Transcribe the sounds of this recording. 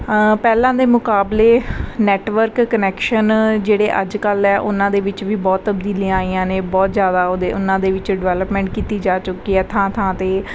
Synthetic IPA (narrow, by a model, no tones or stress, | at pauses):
pɛːlãːd̪eːmʊkaːbleːnɛːʈʋəɾkːənɛːkʃənd͡ʒeːɽeːʔəd͡ʒkəlɛːʔʊnãːd̪eːʋɪt͡ʃʋiːbɔːt̪ːəbd̪iːliãːaːiːãːnẽːbɔːt̪zjaːd̪aːoːd̪eːʊnãːd̪eːʋɪt͡ʃɖɪʋɛːləpmɛ̃ːɳʈ̚kiːt̪iːd͡ʒaːt͡ʃʊkːiːɛːt̪ʰãːt̪ʰãːt̪eː